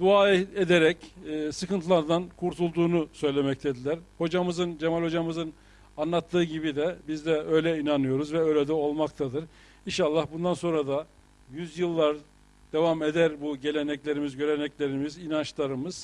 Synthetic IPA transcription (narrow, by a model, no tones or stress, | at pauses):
d̪uaːed̪eɾɛcːsɯkɯnt̪ʰɯlˠaɾd̪ankʰuɾt̪ʰulˠd̪uːnusø̞jlʲe̞mɛc̚t̪ʰed̪ilʲæɾho̞d͡ʒamɯzɯnd͡ʒemalʲhod͡ʒamɯzɯn | anlˠat̪ʰːɯːɟibid̪ɛbizd̪ɛø̞jlʲɛinanɯjo̞ɾuzvɛø̞jlʲɛd̪ɛo̞lˠmakt̪ʰad̪ɯɾ | inʃalˠːahbund̪anso̞nɾad̪a | jyzjɯlˠːaɾ | d̪̥e̞vame̞d̪æɾbuɟe̞lʲe̞nɛclʲe̞ɾimizɟø̞ɾe̞nɛclʲe̞ɾimizinant͡ʃlˠaɾɯmɯz̥